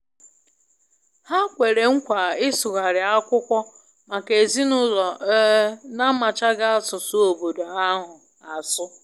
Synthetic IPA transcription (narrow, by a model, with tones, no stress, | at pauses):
ha˦kʷe˨ɾe˨ŋ̩˦kʷa˨ɪ˦sʊ˨ɣa˨ɾɪ˨a˦kʷʊ˦kʷɔ˦ | ma˨ke˨zi˦nʊ˦lɔ˨˦ | na˦ma˨t͡ʃa˦ɡa˦a˦sʊ˨sʊ˦o˨bo˨do˨a˦ɦʊ˨ | a˨sʊ˦